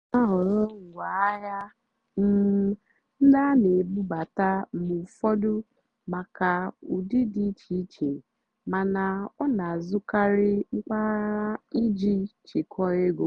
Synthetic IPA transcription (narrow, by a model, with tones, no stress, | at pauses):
ma˦ɦɔ˨ɾɔ˦ŋ̩˨wa˨a˦ja˦ | m̩˦ | n̩˦da˦ne˨bu˦ba˨ta˦˨mu˨fɔ˦dʊ˦ | ma˨ka˨u˨di˦di˦t͡ʃi˦t͡ʃe˨ | ma˨na˨ɔ˦na˨zʊ˦ka˦ɾɪ˦ŋ͡m̩˦k͡pa˦i˦d͡ʒi˦t͡ʃɪ˨kʰɔ˦ɣe˦ɡo˨